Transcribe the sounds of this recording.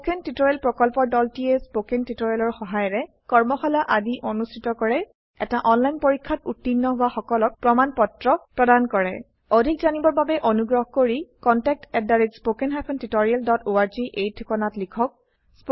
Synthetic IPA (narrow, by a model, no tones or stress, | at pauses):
kentitoɹɛlpɹɔkɔlpɔɹdɔltiɛspokentitoɹialɔɹxɔɦajɔɹɛ | kɔɹmɔxɔlaʔadiʔonustʰitɔkɔɹɛ | ɛtaʔɔnlajnpoɹikʰːatutːinːɔɦʊwaxɔkɔlɔk̚pɹɔmanpɔtɹɔpɹɔdankɔɹɛ | odʱikzanibɔɹbabɛʔonuɡɹɔɦɔkoɹikɔntɛk̚tɛdːaɹitspokɛnɦapʰɔntitoɹialdɔtoaɹziʔejtʰukɔnatlikʰɔk̚ | sp